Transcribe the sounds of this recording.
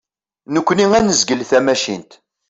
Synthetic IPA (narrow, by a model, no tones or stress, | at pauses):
nəkʷːniŋænəzɡəlθæmæʃḭnt̪